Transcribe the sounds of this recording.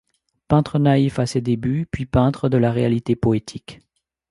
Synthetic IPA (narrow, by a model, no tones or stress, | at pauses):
pɛ̃t̪χənaifased̪ebypɥipɛ̃t̪χəd̪əlaʁealit̪epɔet̪ʰik